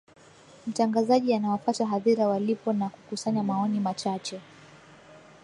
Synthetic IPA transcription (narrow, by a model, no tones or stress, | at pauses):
m̩taŋɡazaʄianawafataɦaðiɾawalipɔnakukusaɲamaɔnimat͡ʃat͡ʃɛ